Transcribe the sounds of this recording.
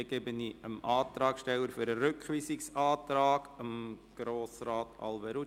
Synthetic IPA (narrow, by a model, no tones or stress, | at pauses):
ɡ̥ebəniəmʔɑːt̪ɾɑːkʃtɛləɾfʏɾəɾʏkχʋiːsɪksɑːtɾɑːɡ̥əmɡ̥ɾoːsraːtɑ̰lvɛɾu